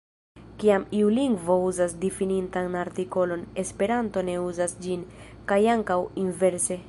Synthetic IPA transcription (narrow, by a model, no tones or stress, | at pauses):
kiamiuliŋɡvo̞uzasdifinintanaɾtiko̞lo̞ne̞spe̞ɾanto̞ne̞uzasd͡ʒinkajaŋkawinve̞ɾse̞